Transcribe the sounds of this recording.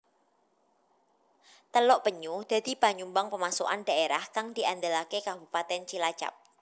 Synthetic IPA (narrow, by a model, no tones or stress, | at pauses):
t̪əlɔʔpəɲud̪̥a̤d̪i̤paɲumbaŋpəmasoʔa̰nd̥aeɾahkaŋd̪̥iʔand̪əlakekabupat̪ɛnt͡ʃilḁt͡ʃa̰p̚